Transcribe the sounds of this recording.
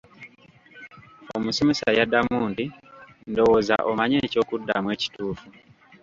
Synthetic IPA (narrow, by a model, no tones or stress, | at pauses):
omusimesa̰jadamuːndi | ndo̞woza̰ʔomaɲe̞ːco̞ːkudːa̰mwe̞ːci̥tuːfu